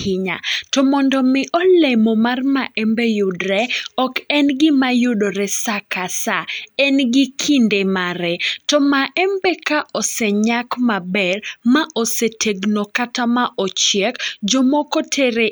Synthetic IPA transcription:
ɪɲa̰tɔmɔndɔmɪʔɔlemɔmarmaʔɛmbejʊdɾɛɔkɛnɡɪmajʊdoɾɛsakasaɛnɡɪkʰindemaɾɛtɔmaʔɛmbɛkaʔɔsɛɲakmabɛrmaʔɔsetʰeɡnokatamaʔɔt͡ʃjɛkd͡ʒɔmɔkɔtʰeɾe

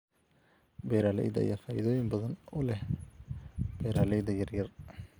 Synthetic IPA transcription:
bɛːɾaːlɛ̰jd̪ɐ̰jafaːjɪðɔːjɪmbɐðɐnʊlɛh | b̥ɛːɾaːlɛjd̪ɐjɐrjɐr

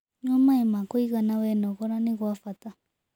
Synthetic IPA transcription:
ɲomaemakoiɣanawɛnɔɣɔɾaneɣwafata

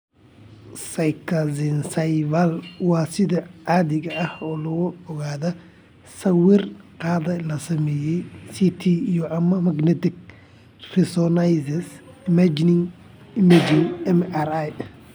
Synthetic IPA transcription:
sɐjkʰɐzɪnsɐjvɐlwɑːsɪðɐʕaːðɪɣɐɐhɔːlɐɣʊɔɣaːðɐ | sɐwɪrqɑːðɐlɐsɐmɛːjɛjsit̪ʰiijɔʔɐmɐmɐɡnɛt̪ɪk̚ | rɪsɔnajsɐs | ɪmɐd͡ʒnɪŋ | ɪmɐd͡ʒɪŋɛmaɾaj

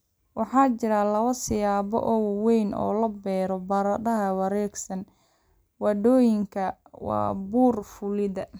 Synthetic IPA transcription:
wɑħɑːt͡ʃɪɾalɐβɐsɪjaːβɔ̰ʔɔwwɛjnɔ̰ːlɐbɛːɾɔbɐɾɐɖɐɦɐwɑɾɛːɡsɐn | wɑdɔːjɪŋkʰɐ | wɑ̰ːbuːrfʊlɪðɐ

